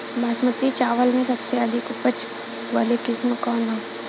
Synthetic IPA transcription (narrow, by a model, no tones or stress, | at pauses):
bʱaːsmət̪it͡ʃaːʋəlmẽsɐpseɐd̪ʱɪkʊpət͡ʃ | ʋaːlekɪsməkɔːnɦɛ̃